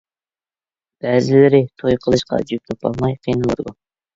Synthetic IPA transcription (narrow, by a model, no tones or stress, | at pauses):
b̥ɛːzɪlɪɾɪt̪ʰojqʰəlˠɨʃqɑ̰d͡ʒyp̚t̪ʰɑpʰɑ̰lˠmɑjqʰijnɨlˠɨ̰ɾɡʊ